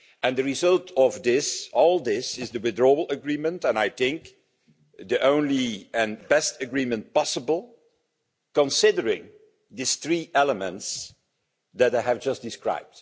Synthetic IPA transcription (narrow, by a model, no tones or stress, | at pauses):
ɛ̃ndəɹizʌlˠtʰɔvd̪ɪsɔlˠd̪ɪsɪzdəwɪdɹɔl̩ˠəɡɹimə̃ntɛ̃naɪθɪ̃ŋk | d̪iʔõʊ̃nliɨ̃nbɛstəɡɹimə̃nt̚pɑsəbəl̩ˠ | kə̃nsɪdəɹɪ̃ŋ | d̪ɪsθɹiːʔɛləmə̃nts | d̪ɨtaɪɨvd͡ʒʌstd̥ɪskɹa̰ɪb̚t